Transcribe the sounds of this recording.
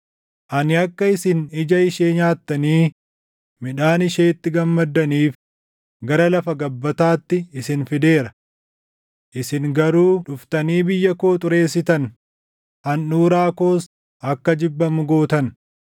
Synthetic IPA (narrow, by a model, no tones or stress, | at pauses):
ʔɐnɪɐkːɐɪsɪnɪd͡ʒɐɪʃeːɲaːt̪ːɐniː | mɪᶑaːnɪʃeːt̪ːɪɡɐmːɐd̪ːɐniːf | ɡɐɾɐlɐfɐɡɐbːɐt̪aːt̪ːɪɪsɪnfɪd̪e̞ːɾɐ | ʔɪsɪŋɡɐɾuːᶑʊft̪ɐniːbɪjːɐko̞ːt̪ʼʊɾe̞ːsɪt̪ɐn | ɐnːuːɾaːko̞ːs | ɐkːɐd͡ʒɪbːɐmʊɡo̞ːt̪ɐn